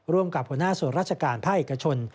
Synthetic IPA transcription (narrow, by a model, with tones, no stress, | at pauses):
ɾu˥˩əmka˨˩p̚hu˩˦ə˦naː˥˩su˨˩˦ɾaː˥˩t͡ɕʰa˧kaː˧npʰaː˥˩k̚ʔeː˨˩ka˧t͡ɕʰo˧n